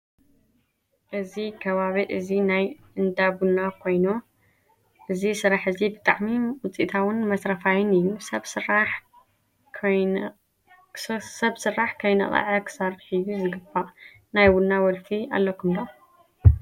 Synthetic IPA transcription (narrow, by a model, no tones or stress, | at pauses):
ʔɨzikʰɐβaβiʔɨzinajʔɨnd̪abunakʰo̞jno | ʔɨzisɨɾaħɨzibɨt̪ʼa̰ʕmiwʊt͡sʼḭt̪ʰawɨnmɐsɾɐfajɪnɨjːusɐa | sɐβsɨrːaħkʰɐjnɐ̰χʼɐ̰ʕɐkʰɨ̥sɐrħɨjːuzɨɡɨbaʔ | najwunːawɔlt̪ʰia̰lːɐkʰɨmd̪ɐ